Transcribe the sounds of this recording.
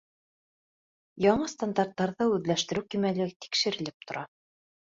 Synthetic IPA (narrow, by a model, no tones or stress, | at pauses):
jɑɴɤst̪and̪art̪ːɑɾðɑʉðlæʃt̪ɘ̆ɾɘwkimælɘt̪i̥kʃɘ̆ɾɘ̆lɘp̚t̪ŏɾʔɑ